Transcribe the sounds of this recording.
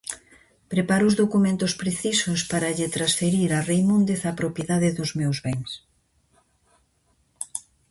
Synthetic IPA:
pɾepaɾʊʊzðokumẽnt̪ʊspɾeθisʊspaɾɐʎɪt̪ɾasfeɾiɾarejmũnd̪eθapɾopjeðaðɪðʊzmewzβɛŋs

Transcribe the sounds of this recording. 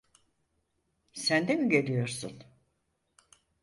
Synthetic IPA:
sænd̪emiɟe̞lʲijo̞ɾsun

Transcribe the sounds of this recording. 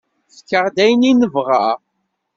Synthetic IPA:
θkːəʁd̪æjninəvʁa

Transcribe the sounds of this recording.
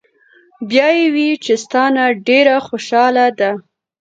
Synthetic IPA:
bjɑjewit͡ʃest̪ɑnaɖeɾaxoʃɑlad̪a

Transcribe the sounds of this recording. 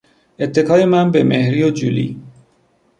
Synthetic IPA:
et̪ʰːe̞kʰɒːje̞mænbemehɾijod͡ʒulḭː

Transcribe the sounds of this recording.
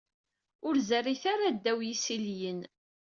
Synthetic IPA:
ʊɾzæriθaɾad̪ːæwjisiljən

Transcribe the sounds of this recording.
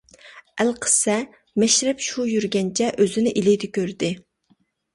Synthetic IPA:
ælqʰə̥sɛ | mɛʃɾɛpʃujyɾɡʲɛnt͡ʃʰɛʔøzɪnɪʔilɪd̪ɪkʲøɾd̪ɪ

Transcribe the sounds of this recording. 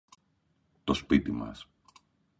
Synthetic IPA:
t̪o̞spit̪imɐ̰s

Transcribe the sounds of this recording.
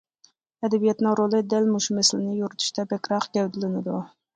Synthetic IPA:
ɛd̪ɛbijɛt̪nɪŋɾolˠɨd̪ɛlmuʃumɛsɪlɪnɪjuɾɨt̪ʰu̥ʃt̪ʰɛbɛkʲɾɑqɡʲɛwd̪ɪlɪnɪd̪u

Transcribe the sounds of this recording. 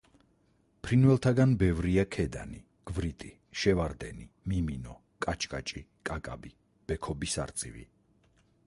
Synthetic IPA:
pʰɾinvɛlˠt̪ʰaɡanbɛvɾiakʰɛd̪a̰ni | ɡ̥vɾit̪ʼi | ʃɛvaɾd̪ɛ̰nimiminɔ | kʼat͡ʃʼkʼat͡ʃʼikʼakʼabi | b̥ɛkʰɔbisa̰ɾt̪sʼḭvḭ

